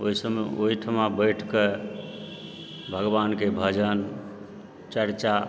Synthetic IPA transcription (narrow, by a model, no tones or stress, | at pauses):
oisəmoɦiʈ̪ʰəmabəʈʰke | bʱəɡbankebʱəd͡ʒən | t͡ʃəɾt͡ʃa